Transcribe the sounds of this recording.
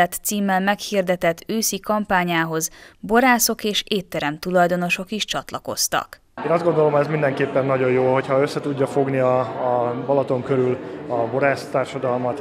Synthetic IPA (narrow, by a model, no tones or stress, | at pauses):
ɛt̪siːmːɛlmɛkhiːrd̪ɛt̪ɛt̪ʰːøːsikɒmpaːɲaːɦo̞zbo̞ɾaːso̞keːʃeːt̪ːɛɾɛmt̪ulɒjd̪o̞no̞ʃo̞kiʃt͡ʃɒt̪lɒko̞̰st̪ɒ̰k | eːnɒzd̪ɡo̞nd̪o̞lomɦoɛzmind̪ɛŋkeːpːɛnːɒɟo̞joːɦo̞chɒøsːɛt̪uɟːɒfo̞ɡniɒbɒlɒt̪o̞ŋkøɾylɒbo̞ɾaːst̪aːrʃɒd̪ɒlmɒt̪